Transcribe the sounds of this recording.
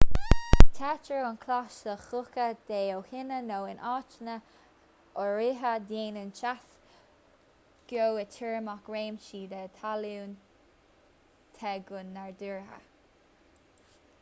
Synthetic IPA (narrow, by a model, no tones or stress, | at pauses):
t̪ʰat͡ʃəʊnkʰlaʃəxʊkəd̪̥eːowhɪnənoːɪnʔɑːt͡ʃnə | ʔɔɹɪɦəd̪eːnɪnt͡ʃas | ɡ̥jowət̪ʰɪɹmakɹeːmʃiːd̪ɛt̪ʰaluːn | t̪ʰɛɡʊnːaɹd̪uɹɦə̰